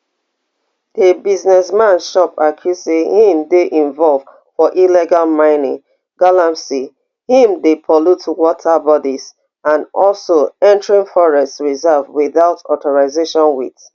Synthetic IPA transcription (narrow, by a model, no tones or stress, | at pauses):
debiznɛsmãnʃɔpakʰjusehĩmdeʔĩɱvɔlvd | fɔʔiliɡalmãɪ̃nĩŋ | ɡalapsi | hĩmdepʰɔlutwɔtʰabɔdiz | ãnɔlsoɛ̃ntɹĩŋfɔɹɛstɹizɛvwiðaʊtɔθɔɹaɪzeʃɔ̃nwit